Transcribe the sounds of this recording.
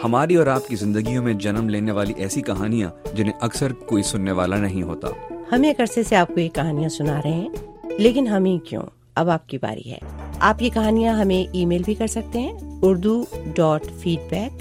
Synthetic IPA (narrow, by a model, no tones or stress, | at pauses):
hɐmaːɾiɔːɾaːpkizɪ̃nd̪əɡijõmẽd͡ʒɐnəmleːneʋaːliʔɛːsikɐɦaːnijã̰d͡ʒɪnẽʔɐksəɾkoːisʊnːeʋaːlanɐɦĩɦoːt̪a̰ːhɐmeːkɐɾseseaːp̚koeːkːɐɦaːnijãsʊnaːɾɐɦɛ̃ːleːkɪnɦɐmĩkjõ̰ː | ɐbaːp̚kiba̰ːɾḭɦɛ̰ːaːpjikɐɦaːnijãɦɐmẽʔiːmeːlbʱikɐɾsɐk̚t̪eɦɛ̃ːʊɾd̪uɖɔːʈfiːɖbɛːk̚